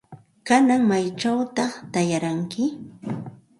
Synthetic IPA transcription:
kanaŋmajt͡ʃawt̪ɑχt̪ajaɾaŋkɪ

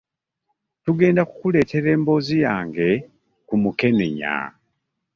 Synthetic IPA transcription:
tuɡe̞ːndaku̥kule̞ːte̞ɾe̞ːmbo̞ːzijaːŋɡe̞ | kumuke̞nḛɲa̰

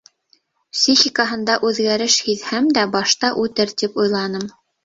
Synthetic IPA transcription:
psʲixʲikəɦɤ̆nd̪ɑʔʉðɡæɾɘʃhiðhæmd̪æbɑʃt̪ɑʔʉt̪ɘɾt̪ipujlˠɑnɤm

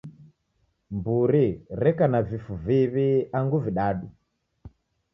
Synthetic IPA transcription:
mbuɾiɾɛkanavifuviβiaŋɡuviɗaɗu

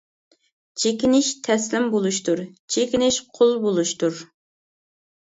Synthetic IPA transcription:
t͡ʃʰekʲinɪʃt̪ʰɛslɪmbolˠuʃt̪uɾt͡ʃʰekʲinɪʃqʰolˠbolˠuʃt̪uɾ

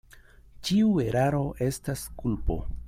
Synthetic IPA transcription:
t͡ʃiue̞ɾaɾo̞ʔe̞staskulpo̞̰

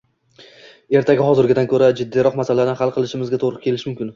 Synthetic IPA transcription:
e̞ɾt̪ʰaɡʲɪɦɒzɪɾɡʲɪd̪ankʰɵɾad͡ʒɪd̪ːijɾɒqmasalaɾnɪnɦalˠqʰɨlˠɪʃɪmɪzɡʲat̪ʰoɾʊkʲʰe̞lɪʃmʊmkʲɪn

